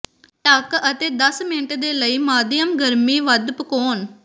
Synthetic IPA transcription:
ʈəkət̪eːd̪əsmɪnəʈd̪eːləiːmaːd̪ɪjəmɡəɾmiːʋəd̪pəkoːn

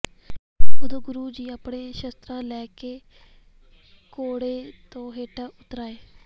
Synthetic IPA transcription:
bəd̪õːɡʊɾuːd͡ʒiːaːpɽeːʃəst̪ɾãːlɛːkeː | koːɽeːt̪õːɦeːʈaːʊt̪ɾaːeː

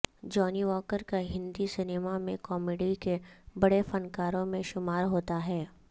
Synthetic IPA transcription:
d͡ʒɔːniʋɔːkəɾkaɦɪ̃nd̪isɪneːmamẽkɔːmeːɖikebɐɽefɐnkaːɾõmẽʃʊmaːɾɦoːt̪aɦɛː

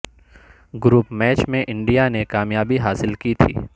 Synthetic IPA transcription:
ɡɾuːpmɛːt͡ʃmẽʔɪ̃ɳɖijanekaːmjaːbiɦaːsɪlkit̪ʰḭː

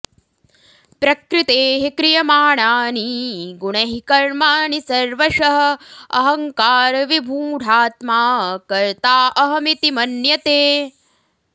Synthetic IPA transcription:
pɾɐkɾɪt̪eːɦekɾijɐmaːɳaːniɡuɳɐɦikɐɾmaːnisɐɾʋɐʃɐɦɐ̆ɐ̰ɦɐŋkaːɾɐʋibʱuːɖʱaːt̪maːkɐɾt̪aːʔɐɦɐmit̪imɐnjɐt̪eː

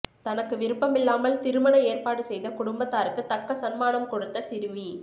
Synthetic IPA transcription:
t̪ɐnɐkːɯʋɪɾɯpːɐmɪlːaːmɐlt̪ɪɾɯmɐnɐeːrpaːɽɯsɛjðɐkʊɽʊmbɐt̪ːaːɾɯkːɯt̪ɐkːɐsɐnmaːnɐmkɔɽɯt̪ːɐsɪɾɯʋi

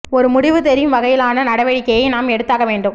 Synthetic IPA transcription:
ɔɾɯmʊɽɪʋɯt̪ɛɾɪmʋɐɣɐjɪlaːnɐnɐɽɐʋɐɻɪkːɐjɐɪnaːmɛɽɯt̪ːaːɣɐʋeːɳɖɯm

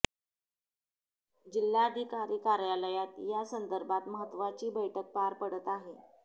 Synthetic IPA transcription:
d͡ʑilːaːd̪ʱikaɾiːkaɾjaləjat̪jasənd̪əɾbat̪məɦət̪ːʋat͡ɕiːbəjʈʰək̚paɾpəɽət̪aɦe

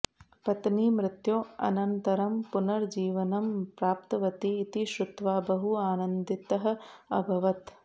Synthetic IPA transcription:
pɐt̪niːmɾɪt̪joːɐ̰nɐnt̪ɐɾɐmpunɐɾd͡ʒiːʋɐnɐmpɾaːp̚t̪ɐʋɐt̪iːt̪iʃɾut̪ʋaːbɐɦuaːnɐnd̪it̪ɐɦɐ̆ɐ̰bʱɐʋɐt̪

